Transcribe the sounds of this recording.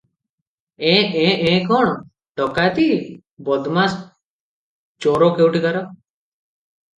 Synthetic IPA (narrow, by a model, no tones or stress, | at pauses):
ẽẽẽkɔɳ̃ | ʈɔkajt̪i | bɔd̪mas | t͡ʃɔɾɔkewʈid̪aɾɔ